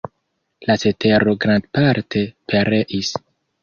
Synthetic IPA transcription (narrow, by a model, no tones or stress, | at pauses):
lasete̞ɾo̞ɡɾandpaɾtʰe̞pʰeɾe̞ʔis